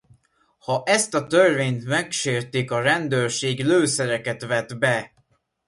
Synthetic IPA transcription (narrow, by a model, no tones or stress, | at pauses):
hɒʔɛst̪ɒt̪ørveːɲt̪mɛkʃeːrt̪ikɒɾɛnd̪øːrʃeːɡløːsɛɾɛkɛt̪vɛt̪bɛ